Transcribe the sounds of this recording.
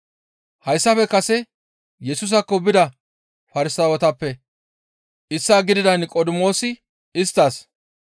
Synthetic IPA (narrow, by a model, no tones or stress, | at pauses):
hɐjsːɐfɛkɐsɛ | jɛsʊːs̬ɐkːɔbɪd̪ɐ | fɐɾɪsɐːwɔt̪ɐpːɛ | ʔɪsːaːɡɪd̪ɪd̪ɐnkʼɔd̪ɪmo̞ːsɪ | ɪst̪ːɐs